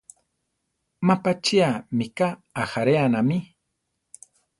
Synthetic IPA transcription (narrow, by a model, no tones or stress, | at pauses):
mapat͡ʃiamikaːxaɾeanami